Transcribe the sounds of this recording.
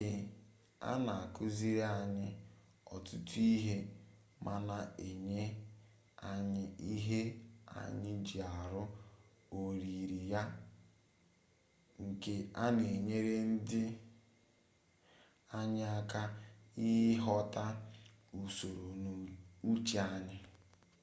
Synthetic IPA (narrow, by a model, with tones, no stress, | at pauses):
a̰˦na˨a˨kʊ˦zi˦ɾe˦a˨ɲɪ˦ | ɔ̰˨tʊ˦tu˦i˦ɦe˦ | mʔa˦na˨e˨ɲe˦ | a˨ɲɪ˦i˦ɦe˦a̰˨ɲɪ˦d͡ʒi˨a˨ɾʊ˦ | o˨ɾi˨ɾi˨ja˦ | ŋ̩˨ke˦a˦ne˨ɲe˦ɾe˦n̩˦dɪ˦ | a˦ɲɪ˦a˦ka˦ɪ˦ɦɔ˦ta˦ | u˨so˨ɾo˨n˨u˦t͡ʃi˨a˦ɲɪ˦